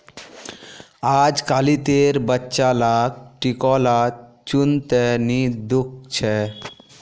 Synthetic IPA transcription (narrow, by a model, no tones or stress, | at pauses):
ad͡ʑkalit̪eɾbətːʃalak̚ʈikɔla | t͡ɕunt̪enid̪uk̚t͡ɕʰe